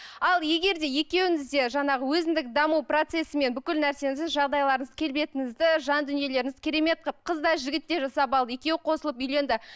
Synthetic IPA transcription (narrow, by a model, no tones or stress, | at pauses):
ɑlˠje̞ɡʲe̞ɾd̪e̞je̞kʲe̞wɪŋɪzd̪e̞ʒɑɴɑʁəwɵzɪnd̪ɪkd̪ɑmuwpro̞t̪se̞sɪme̞nbʏkʲɪlnæɾse̞ŋɪsɪzʒɑʁd̪ɑjlˠɑɾəɴəz̥kʲʰe̞lbe̞t̪ɪŋɪzd̪ɪʒɑnd̪ʏnije̞le̞ɾɪŋɪz̥kʲʰeɾe̞me̞t̪̚qʰəp̚qʰəzd̪ɑʒɪɡʲɪt̪ːe̞ʒɑsɑpɑlˠd̪je̞kʲe̞wɪqʰo̞səlˠəpʏjle̞nd̪ɪ